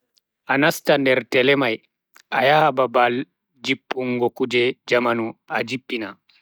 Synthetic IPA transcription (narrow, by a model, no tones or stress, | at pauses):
ʔanastandɛɾtɛlɛmaj | ʔajahababal | d͡ʒipʼːuŋɡɔkud͡ʒɛd͡ʒamanuad͡ʒipːina